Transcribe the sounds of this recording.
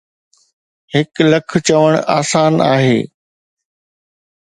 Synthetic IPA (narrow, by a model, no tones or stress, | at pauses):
hɪklɐkʰt͡ɕɐʋəɽ̃aːsaːnaːɦḛː